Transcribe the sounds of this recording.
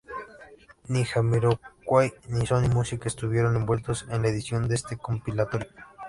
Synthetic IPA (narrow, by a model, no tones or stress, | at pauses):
nixamiɾokʷajnisonimusikaest̪uβjeɾonembwe̞lt̪osenlaeðisjond̪eest̪ekompilat̪oɾjo